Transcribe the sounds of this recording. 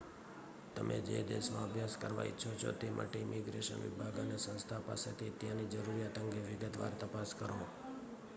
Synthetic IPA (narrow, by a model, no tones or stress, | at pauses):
t̪əmʔḛd͡ʒed̪ḛsmãəbʱjaskəɾʋa̰itːʃʰot͡ʃʰo̰t̪emʔa̰ʈeimiɡɾeʃə̰nʋḭbʱaɡanesə̃nst̪ʰapa̰set̪ʰit̪jãnid͡ʒəɾuɾjat̪əŋɡeʋɪɡət̪ʋa̰ɾt̪əpaskəɾo